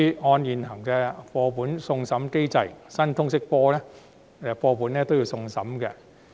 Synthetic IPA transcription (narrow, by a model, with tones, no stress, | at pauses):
ɔː˧njiː˨nhɐ˨˩ŋkɛː˧fɔː˧puː˨˥nsʊ˧ŋsɐ˨˥mke˥jt͡sɐ˧jsɐ˥nt̪ʰʊ˥ŋsɪ˥k̚pɔː˥lɛː˥ | ɛ˧˩fɔː˧puː˨˥nːɛː˥t̪o˥wji˧wsʊ˧ŋsɐ˨˥mkɛ̰ː˧